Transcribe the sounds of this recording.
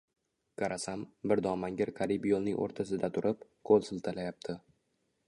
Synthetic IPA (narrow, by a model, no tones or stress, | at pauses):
kaɾʔasambɪɾd̪ɒmaŋɡʲɪɾqʰaɾipjolˠnɪ̰ŋʔo̰ɾt̪ʰasɪd̪at̪ʰʊɾʔɪpkʰolˠsɪlˠt̪ʰalajap̚t̪ʰɪ